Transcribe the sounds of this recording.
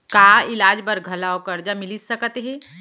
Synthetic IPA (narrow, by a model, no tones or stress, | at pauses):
kaːɪlaːd͡ʒbəɾɡʱɐlaokɐɾd͡ʒamɪlisɐkət̪ɦɛ̃